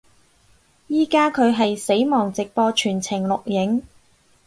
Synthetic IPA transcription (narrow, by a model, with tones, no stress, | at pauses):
jiː˧kaː˥kʰɵ˨˧ɥɦɐ˨jse˨˥jmɔː˨˩ŋt͡sɪ˨k̚pɔː˧t͡ʃʰyː˨˩nt͡sʰɪ˨˩ŋlʊ˨k̚jɪ˨˥ŋ